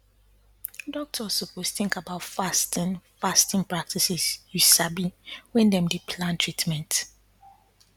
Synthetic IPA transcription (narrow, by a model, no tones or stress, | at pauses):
dɔk̚tʰɔsoposθɪ̃ŋkabaʊtfastĩnfastɪ̃npɹak̚tʰisisjusabiwɛ̃ndɛ̃mdipʰlãntʰɹitmɛ̃nt